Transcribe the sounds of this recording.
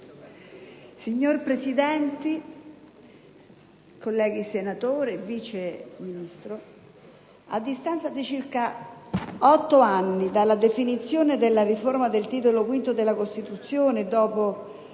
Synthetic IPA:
siɲːorpɾesid̪ɛnt̪i | kolːɛːɡisenat̪oːɾeviːt͡ʃeminist̪ɾo | a̰d̪ːist̪ansad̪it͡ʃirka | ɔt̪ːoanːid̪alːad̪efinit̪sːjoːned̪elːariformad̪elt̪iːt̪̬olokwint̪od̪elːakost̪it̪ut̪sːjoːned̪ɔːpo

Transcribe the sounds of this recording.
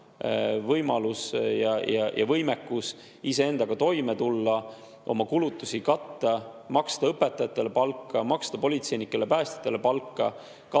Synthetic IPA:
vɤjmɑlusjɑjɑjʔɑ̰vɤjmekːus | ise̞e̞nd̪̥ɑɡ̥ɑt̪o̞jmet̪ulːɑ | ʔo̞̰mɑkulut̪ːˑusikɑt̪ːɑmɑkst̪ɑɤpe̞t̪ːˑɑjɑt̪ːˑe̞lepɑlkːɑmɑkst̪ɑpolʲit̪se̞jnikːˑe̞le̞pæːst̪i̥t̪ˑːe̞le̞pɑlkːɑ̰ | kɑ

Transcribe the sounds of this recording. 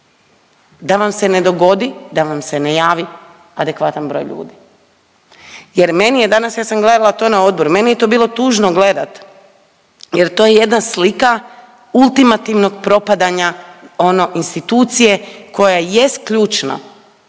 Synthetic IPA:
d̪aʋamse̞ne̞d̪o̞ɡo̞d̪id̪aʋamse̞nejaːʋi | ad̪e̞kʋat̪anbɾo̞̰jʎṵːd̪i | jeɾme̞nije̞d̪anasjaːsamɡle̞d̪alat̪o̞ːnao̞d̪̚boɾume̞nijet̪o̞biːlo̞t̪uːʒnoɡle̞d̪at̪ | je̞ɾt̪oːjeje̞d̪naslika | ulˠt̪imat̪iʋno̞ɡ̚pɾo̞pad̪aɲao̞no̞ʔinst̪it̪uːt̪sije̞ko̞jaje̞st̪̚kʎuːt͡ʃna̰

